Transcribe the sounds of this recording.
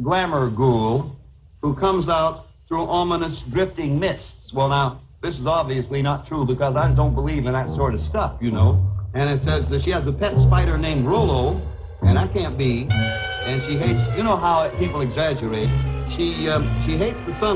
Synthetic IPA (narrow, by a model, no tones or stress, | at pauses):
ɡlæmə˞ɡulˠ | hukʰʌ̃mzaʊt̪̚ | θɹuʔɑmənɨsdɹɪftɪ̃ŋmɪstswɛlˠnaʊ | ðɪsɨzɑbviɨslinətʰɹ̥ubɨkʌzaɪdõʊ̃nb̥əlivɨ̃nðɨtsɔɹɾʌv̥stʌfjɨnoʊɨ̃ñɨtsɛzɨʃiɨzɨpʰɛtspaɪɾə˞nẽɪ̃mɹolˠoʊ | ʔɨ̃ñaɪkʰæ̃nb̥i | ɨ̃nʃiɦeɪtsjɨñoʊɦaʊpipl̩ˠɨɡzæd͡ʒə˞eɪt̚ʃiʃiɦeɪtsðɨsʌ̃